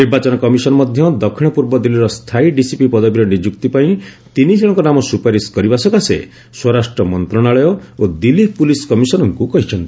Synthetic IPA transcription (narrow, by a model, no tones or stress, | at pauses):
niɾbat͡ʃɔnɔkɔmisɔnɔmɔd̪ʱjɔd̪ɔkʰiɽ̃ɔpuɾbɔd̪iliɾɔst̪ʰaiɖisipipɔd̪ɔbiɾɔnid͡ʒukt̪ipaĩt̪inid͡ʒ̪ʰiɭɔ̃ŋkɔnamɔsupaɾiskɔɾibasɔkasḛ | swɔɾasʈɾɔmɔnt̪ɾɔɽ̃aɭɔjɔod̪ilipuliskɔmisɔnɔŋkukɔɦit͡ʃʰɔnt̪ii